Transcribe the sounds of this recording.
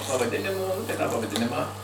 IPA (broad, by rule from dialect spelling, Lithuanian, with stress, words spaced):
pɐʋɐˈdʲɪnʲɪmoː nʊ tɐɪ tɑː pɐʋɐˈdʲɪnʲɪmɑː